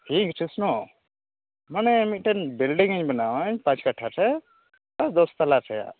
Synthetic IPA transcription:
ʈʰikʈʰisno | manɛmiʈenbilɖiŋəɲbɛnawaɲpãt͡ʃkaʈʰatʰɛ | t̪asd̪ɔst̪alatʰɛja̰

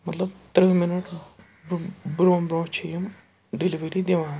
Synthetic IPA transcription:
mɐt̪lɐbt̪ɾɨmɐnoːɽ | bɾoːmbɾoːt͡ɕʰejum | ɖeliʋɐɾid̪jɐʋaː

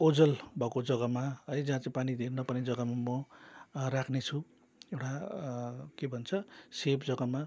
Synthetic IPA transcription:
od͡zʌlbʱʌkod͡zʌɡʌmaɦʌjd͡zaɦat͡sãĩpanid̪ʱernʌpʌned͡zʌɡamamʌ | rakʰnet͡sʰu | ewʈa | kebʱʌnt͡sʰʌsepd͡zʌɡama

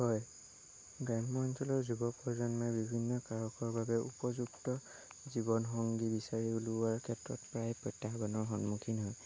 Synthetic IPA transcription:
hɔj | ɡɹamːɔnsʰɔlɔɹzubɔpɔzɔnmajbibʱinːɔkaɹɔkɔɹbabɛʔṵpɔzuktɔ | zibɔnɦɔŋɡibisaɹiuluaɹkʰɛtɹɔ̰tpɹajpɹɔtːaxbɔnɔɹɦɔnmukʰinɦɔj

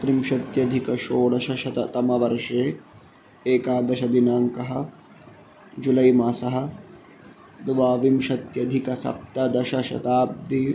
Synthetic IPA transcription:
pɾimʃɐt̪jɐd̪ʱikɐʃoːɭɐʃɐʃɐt̪ɐt̪ɐmɐʋɐɾʂeː | eːkaːd̪ɐʃɐd̪inaːŋkɐɦɐ̆ | d͡ʒulɐjmɐsɐɦɐ̆ | d̪ʋaːʋimʃɐt̪jɐd̪ʱikɐsɐ̰p̚t̪ɐd̪ɐʃɐʃɐ̰t̪aːb̚d̪ʱi

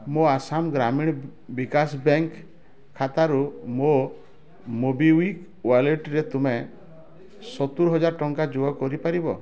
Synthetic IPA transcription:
moasamɡɾamiɽ̃bikasbeŋkʰː | at̪aɾumo | mobiwik | waleʈɾet̪ume | sɔt̪uɾɦɔd͡ʒaɾʈɔŋkad͡ʒuɔkɔɾipaɾibɔ̰

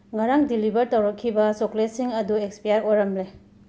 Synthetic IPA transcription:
ŋaɾaŋdilibɐɾtɐwɾɐkʰːibɐsoklesiŋɐduekspijaɾojɾɐmle

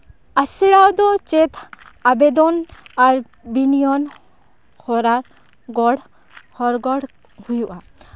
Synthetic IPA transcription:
asiɽawd̪ɔt͡ʃɛt̪ʰ | abɛd̪ɔnaɾ | binijɔn | hɔɾaɾ | ɡɔɽ | hɔɾɡɔɽ | hujuʔa

